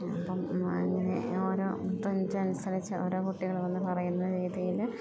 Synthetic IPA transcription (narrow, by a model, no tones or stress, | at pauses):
ɐ̰pːɐmɐ̰ŋːɐne̞̰oːɾoːt̪oɲd͡ʑɨɐnusɐlit͡ɕːɨʔoːɾo̞ːkuʈːiɣɐɭʋɐnːɨpɐrɐjunːɐɾiːðɐjil